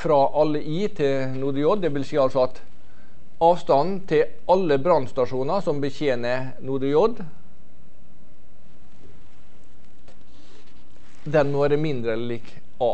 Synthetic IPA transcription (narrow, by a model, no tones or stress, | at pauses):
fɾɑʔɑləʔiːt̪ʰɪ | nuːɖ̪əjɔd̪d̪ɛʋɪlsiːɑlsɔɑt̪ | ɑːʋst̪ɑnn̩t̪ʰɪ | ʔɑlːəbɾɑnst̪ɑʂuːnɑsɔmbəçeːnə | nuːɖ̪əjɔd̪ | d̪ɛnmoːɾəmɪnd̪ɾəɛləliːk | ɑː